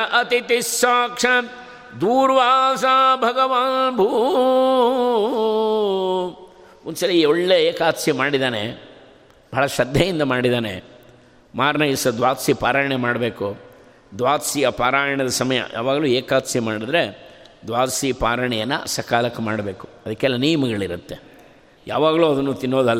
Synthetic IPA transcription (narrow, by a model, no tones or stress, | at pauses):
ʔɐt̪it̪isaːkʂɐn | d̪uːɾʋaːsabʱɐɡɐʋaːnbʱuː | unsɐlːiioɭːeeːkaːt̪simaːɽid̪aːnḛ | bʱɐɦːɭɐʃɐd̪ːɐjind̪ɐmaːɽid̪aːnḛ | maːɾnɐjisɐd̪ʋaːt̪sipaːɾaːjɐɳemaːɽɐbe̞ːku | d̪ʋaːt̪sijɐpaːɾaːjɐɳɐd̪ɐsɐmɐjɐ̰jʔa̰ːʋaːɡɐluːeːkaːt̪simaːɽid̪ɾe̞ | d̪ʋaːt̪sipaːɾɐɳɛjɐnːɐ̰sɐkaːlɐkːumaːɽɐbe̞ːku̥ɐd̪ɐkːɛlːɐnijɐmɐɡɐɭiɾut̪ːe | ja̰ːʋaːɡɐluːɐd̪ɐnːuːt̪inːoːd̪ɐlː